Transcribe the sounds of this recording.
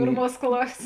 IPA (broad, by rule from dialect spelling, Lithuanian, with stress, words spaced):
ˈpʲeːrˌmuɔs ˈklˠɑːsʲeːs